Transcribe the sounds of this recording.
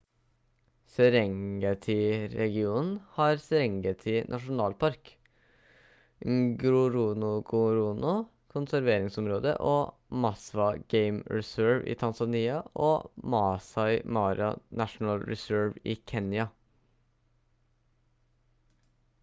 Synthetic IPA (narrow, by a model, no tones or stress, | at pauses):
sɛɾɛŋɡɑt̪ʰɪɾɛɡɪuːnn̩hɑːɾsɛɾɛŋɡət̪ʰɪnʔɑʂʊn̩ɑːlpʰɑɾk | ɡɾʊɾuːnʊɡʊɾuːnʊ | kʰʊnsæɾʋeːɾɪŋsɔmɾoːd̪ə̰ʔoː | mɑsʋɑɡ̥eɪmɹɛsøːɹʋḭːt̪ʰɑnsɑniːɑʔo̰ːmɑːsɑɪmɑːɾɑnʔæʂn̩ɑlɹɛsøːɹʋiːkʰeːnjɑ